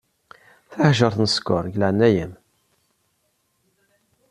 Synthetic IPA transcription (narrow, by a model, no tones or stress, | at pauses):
θəhʒəɾˤθnəskʊɾˤʝlaʕnːæjəm